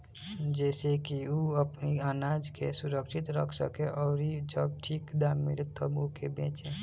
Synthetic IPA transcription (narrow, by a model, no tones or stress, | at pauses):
d͡ʒɛːsekiuəpniaːnaːd͡ʒkḛsʊɾəkʃɪt̪ɾəkʰsə̰keʔɔːɾid͡ʒəbʈʰiːkd̪aːmɪ̰lt̪ʰobʊkebẽːt͡ʃeː